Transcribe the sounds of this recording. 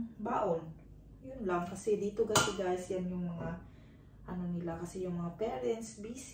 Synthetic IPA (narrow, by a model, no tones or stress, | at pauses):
baːʔon | jʊnlɐŋkɐsɛd̪iːt̪oɡɐsɛɡ̪aːɪsjanjʊŋmɐŋa | ʔɐno̞nɪlakɐsɛjʊŋmɐŋapɛːɾɛnsbiːs